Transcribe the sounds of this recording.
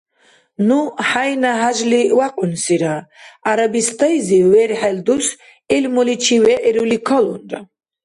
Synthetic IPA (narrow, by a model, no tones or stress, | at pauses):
nuħajnaɦaʒliwaqʼunsiɾaaɾabist̪ʼajziwɛɾħɛld̪us | ilmulit͡ʃʰiwɛʔɛɾulikʰɔlund̪a